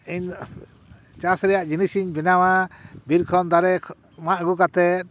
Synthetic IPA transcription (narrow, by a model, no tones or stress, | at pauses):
iɲ | t͡ʃasɾɛjaʔd͡ʒinisiɲbɛnawabiɾkʰɔnd̪aɾɛ | maʔɡukat̪ɛt̪̚